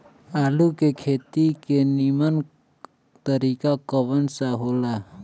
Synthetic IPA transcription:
aːlukekʰeːt̪ikenimən | t̪əɾikakəbənsaɦola

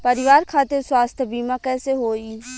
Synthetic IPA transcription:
pəɾɪʋaːɾkʰaːt̪eɾswaːst̪ʰəbiːmãkɛːseɦoːiː

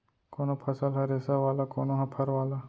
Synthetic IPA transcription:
koːnopʰɐsəlɦɐɾeːsaʋaːlakoːnoɦãpʰɐɾʋaːla

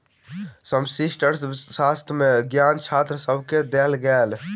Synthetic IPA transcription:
səmsisʈəɾssast̪ʰmẽɡjaːnt͡ʃʰaːt̪ɾəsəbʱked̪elɡɛːl

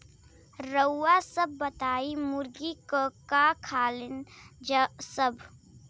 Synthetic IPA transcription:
ɾəwːasəb̚ːət̪aːimʊɾɡikəkakʰaːlɪnd͡ʒəsəbʱ

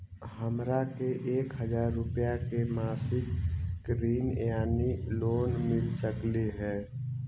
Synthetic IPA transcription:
həmɾakeʔeːkɦəzaːɾːʊpjakemaːsɪkːɾiːnjaːniloːnmɪlsəkleɦɛ̃ː

